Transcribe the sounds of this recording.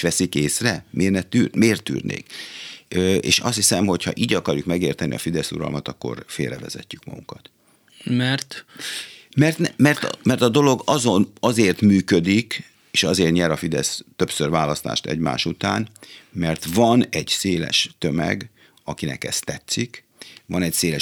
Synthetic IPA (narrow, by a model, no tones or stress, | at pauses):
ʃʋɛsikeːsrɛmeːrnɛt̪yːrmeːrt̪ːy̰ːrnḛːk | øḛːʃɒ̰st̪hisɛmho̞cʰhɒ̰ʔiːɟɒkɒɾjukmɛɡeːrt̪ɛniɒfid̪ɛsuɾɒ̰lmɒt̪ɒkːo̞̰rfḛːlrɛvɛzɛcːykmɒ̰ɡuŋkɒt̪ | mɛrt̪ | mɛrt̪nɛmɛrt̪mɛrt̪ɒd̪o̞lo̞ɡɒzo̞nɒzeːrt̪myːkød̪ik | eːʃɒzeːrt̪ɲɛɾɒfid̪ɛst̪ø̞psørvaːlɒst̪a̰ːʃt̪ɛ̰ɟma̰ːʃut̪aːnmɛrt̪vɒnɛɟseːlɛ̰ʃt̪ømɛ̰ɡ | ɒkinɛ̰kɛ̰st̪ɛt̪sːik | vɒnɛcseːlɛ